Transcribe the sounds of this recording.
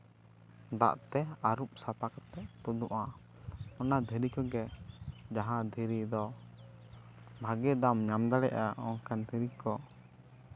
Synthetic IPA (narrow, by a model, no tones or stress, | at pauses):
d̪a̰ʔt̪ɛaɾup̚sapakɔt̪ɛt̪ud̪uʔa | ɔnad̪ʱɛɾikɔɡɛd͡ʒaɦãd̪ʱiɾid̪ɔ | bʱaɡɛd̪amɲamd̪aɽɛʔaɔŋkand̪ʱiɾikɔ